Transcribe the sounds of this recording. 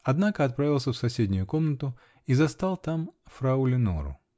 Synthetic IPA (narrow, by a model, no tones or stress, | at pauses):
ɐd̪nakəɐt̪̚pɾavʲɪlˠsʲəfsɐsʲedʲnʲʊjʊkomnət̪ʊ | izɐst̪alˠt̪amfɾɐʊlʲɪno̰ɾʊ̰